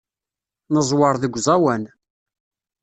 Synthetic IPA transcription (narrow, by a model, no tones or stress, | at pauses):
nəzˤwɑɾˤðəɡʷzˤæwæn